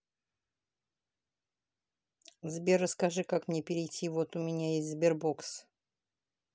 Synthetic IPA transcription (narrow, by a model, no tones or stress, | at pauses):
zbʲerəskɐʐɨkakmnʲepʲɪɾʲɪjtʲːivot̪ʊmʲɪnʲajesʲtʲzbʲerbo̞ks